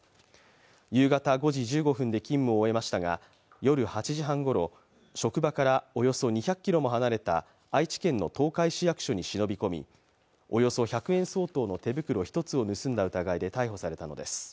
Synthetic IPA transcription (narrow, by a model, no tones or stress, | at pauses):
jɯ̟ːɡat̪aɡo̞ʑid͡ʑɨːɡo̞ɸɯ̟̃nd̪e̞kʲĩmːɯ̟oːe̞maɕi̥t̪aɡa̰ | jo̞ɾɯ̟hat͡ɕiʑiɦãŋɡo̞ɾo̞ | ɕo̞kɯ̟bakaɾao̞jo̞so̞ɲ̟içakːʲiɾo̞mo̞ɦanaɾe̞t̪a̰ː | it͡ɕi̥kẽ̞nːo̞̰t̪o̞ːkaiɕijakɯ̟̥ɕo̞ɲ̟iɕino̞bʲiko̞mʲḭ | o̞jo̞so̞çakɯ̟ẽ̞ɰ̃so̞ːt̪o̞ːno̞t̪e̞bɯ̟kɯ̟ɾo̞çi̥t̪o̞t͡sɨo̞nɯ̟sɨ̃nd̪aɯ̟t̪aɡaid̪e̞t̪aiɦo̞saɾe̞t̪ano̞̰d̪e̞sɨ̥